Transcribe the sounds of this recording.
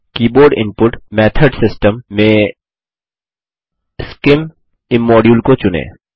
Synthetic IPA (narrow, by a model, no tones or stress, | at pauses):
kiːboːɾɖɪ̰̃mpʊʈmɛːt̪ʰəɖsɪsʈəmːẽ | skɪm | ɪmːɔːɖjuːlkot͡ʃʊnḛː